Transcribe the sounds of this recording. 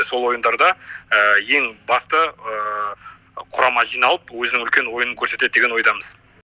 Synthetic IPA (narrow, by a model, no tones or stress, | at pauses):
so̞lˠwo̞jənd̪ɑɾd̪ɑəje̞ŋbɑst̪ə | qʰʊɾɑmɑʒijnɑlˠəpwɵzɪnɪŋʏlkʲe̞nwo̞jənəŋkʲʰɵɾse̞t̪e̞d̪d̪eɡʲe̞nwo̞jd̪ɑməz̥